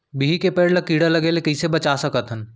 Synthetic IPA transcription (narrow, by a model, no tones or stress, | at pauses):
biɦikepeːɽləkːiːɽaləɡelekəɪsebət͡ʃasəkət̪ɦən